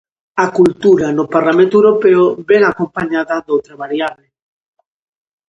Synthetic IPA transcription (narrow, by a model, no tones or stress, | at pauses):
akult̪uɾanʊpaɾlamẽnt̪ʊewɾopeʊβɛŋakompaɲaðɐðowt̪ɾaβaɾjaβle